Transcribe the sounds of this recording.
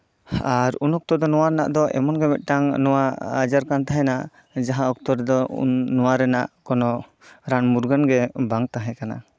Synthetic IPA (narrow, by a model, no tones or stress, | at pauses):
aɾunɔk̚t̪ɔd̪ɔnɔwaɾɛna̰ʔd̪ɔʔɛ̰mɔnɡɛmɛt̪̚ˀʈaŋnɔwaad͡ʒaɾkant̪aɦɛ̃na | d͡ʒaɦãɔk̚t̪ɔɾɛd̪ɔṵnːɔwaɾɛnaʔkɔnɔ | ɾanmuɾɡanɡɛbaŋt̪aɦɛ̃kana̰